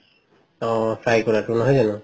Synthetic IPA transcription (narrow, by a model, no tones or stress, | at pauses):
ɔ̃fʰɹajkɔɹatʊnɔɦɔjzanʊ